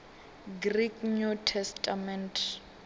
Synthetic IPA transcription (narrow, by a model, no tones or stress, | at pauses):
ɡrikɲutʰɛstʰʼamɛntʰ